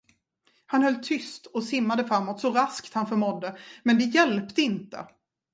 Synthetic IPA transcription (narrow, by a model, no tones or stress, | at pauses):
hanhœlːt̪ʰʏst̪ɔsɪmːad̪əfɾamːɔt̪sɔɾaskt̪hanfœɾmɔd̪ːəmɛnd̪ɛjɛlpt̪əɪnt̪ə̰